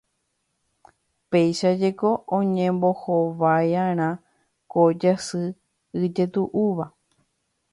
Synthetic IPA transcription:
pe̞jʃad͡ʒeko̞ʔõɲẽmbo̞hoʋajãɾ̃ã | kod͡ʒasɨ | ɨd͡ʒe̞t̪uʔuʋa

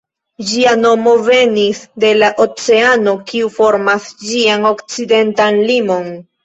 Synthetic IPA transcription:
d͡ʒiano̞mo̞ve̞nisde̞laʔot͡se̞ano̞kiufo̞ɾmasd͡ʒiano̞kt͡side̞ntanlimo̞n

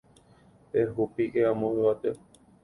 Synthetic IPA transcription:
eɦupiʔeãmõewat̪e

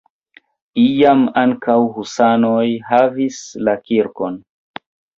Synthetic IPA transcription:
ijamaŋkawhusanojɦavislakiɾko̞n

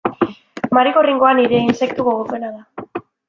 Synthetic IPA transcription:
maɾiɣoriŋɡo̞aniɾe̞inse̞kt̪uɣoɣ̞ope̞naða

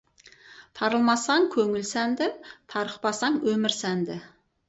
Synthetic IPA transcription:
t̪ʰɑɾəlˠmɑsɑŋkʲʰɵŋɪlsænd̪ɪt̪ʰɑɾəqpɑsɑɴwɵmɪɾsænd̪ɪ

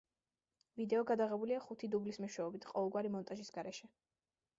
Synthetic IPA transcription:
vid̪ɛɔɡad̪aʁɛbuliaχut̪ʰid̪ublismɛʃwɛɔbit̪ʰqʼɔvɛlˠɡwaɾimɔnt̪ʼaʒisɡaɾɛʃɛ

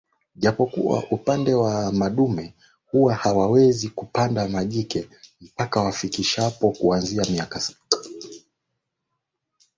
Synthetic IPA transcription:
ʄapɔkṵwa̰ʔupandɛwamaɗumɛ | huwahawawɛzikupandamaʄikɛm̩pakawafikiʃapɔkuanziamiakasḁtḁ

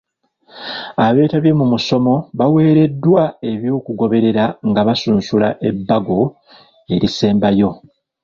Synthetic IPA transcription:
aβe̞ːtaβje̞mumuso̞mo̞βawe̞ːɾe̞dːwae̞βjo̞ːkuɡo̞βe̞ɾe̞ɾaŋɡaβasuːnsulaʔe̞bːaɡo̞ | e̞ɾise̞ːmbajo̞

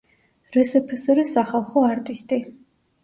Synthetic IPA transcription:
ɾɛsɛpʰɛsɾɛsaχalˠχɔaɾt̪ʼist̪ʼi

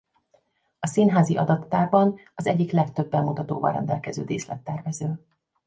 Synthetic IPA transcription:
ɒsiːnɦaːziʔɒd̪ɒt̪ːaːrbɒnɒzɛɟːiklɛkt̪øbːɛmmut̪ɒt̪oːvɒ̰ɾɛ̰nd̪ɛlkɛzøːd̪eːslɛ̰t̪ːɛrvɛzøː

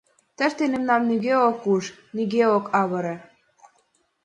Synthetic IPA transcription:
t̪ə̆ʃt̪enemnɑmnyɣeokuʃnyɣeokɑβɤ̆ɾĕ

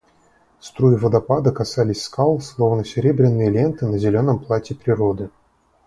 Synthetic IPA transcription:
st̪ɾuɪvəd̪ɐpad̪əkasalʲɪsʲskʰalˠslˠo̞vnəsʲɪɾʲebɾʲɪnːɨjəlʲe̞nt̪ɨnəzʲɪlʲo̞nːəmplˠatʲɪpɾʲɪɾo̞d̪ɨ

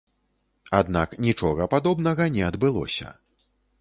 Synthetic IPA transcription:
ad̪na̰knʲit͡ʂɔɣɐpad̪ɔbnɐɣɐnʲɛɐd̪bɨlˠɔ̰sʲɐ̰

